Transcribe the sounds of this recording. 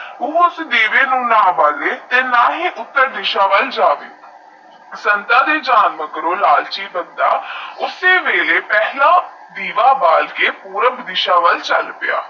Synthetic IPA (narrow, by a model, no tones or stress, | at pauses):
uːʊsd̪eːʋeːnũːnãːʋaːleːt̪eːnaːɦiːʔʊt̪ːəɾd̪ɪʃaːʋəld͡ʒaːʋeoː | sənt̪ãːd̪eːd͡ʒaːnməɡɾõːlaːlt͡ʃiːbənd̪a̰ːʊseːʋeːleːpɛːɦlãː | d̪iːʋaːbaːlkeːpuːɾəbd̪ɪʃaːʋəlt͡ʃəlpɪja̰ː